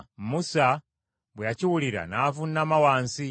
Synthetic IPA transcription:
musa | bweaciwuliɾa̰naːvunːamawaːnsi

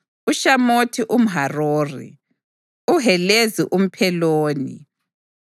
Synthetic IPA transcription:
uʃamotʰiʔum̩ɦaroːrḭ | uɦɛleziʔum̩pʰɛloːnḭ

